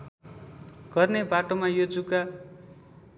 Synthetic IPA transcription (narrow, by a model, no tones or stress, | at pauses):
ɡ̥ʌrnebaʈomajod͡zuka